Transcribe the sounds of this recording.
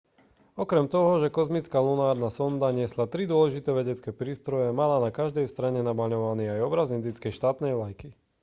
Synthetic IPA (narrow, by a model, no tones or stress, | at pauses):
ɔkɾɛmt̪ɔɦɔʒɛkɔzmit͡skaːlunaːɾnasɔnd̪aɲɪɛslat̪ɾid̪ʊɔlɛʒit̪ɛːʋɛɟɛt͡skɛːpɾiːst̪ɾɔjɛmalanakaʒd̪ɛjst̪ɾaɲɛnabaɲɔʋaniːajɔbɾazind̪it͡skɛjʃt̪aːt̪nɛjʋlajki